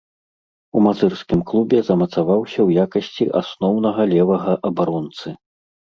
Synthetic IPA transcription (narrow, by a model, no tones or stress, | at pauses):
umat̪zɨrskʲimklˠubʲɛzɐmɐt̪savawsʲɐwjakɐsʲt͡sʲiʔa̰snɔwnɐɣɐlʲɛvɐɣɐʔɐbaɾɔnt̪sɨ